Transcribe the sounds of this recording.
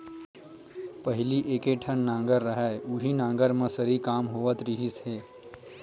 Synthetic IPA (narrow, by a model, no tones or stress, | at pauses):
pɐɦɪliʔeːkeʈʰənːãːŋɡəɾːɐɦɛʊɦinãːŋɡəɾmẽsəɾikaːmɦoːʋət̪ɾɪɦɪsɦeː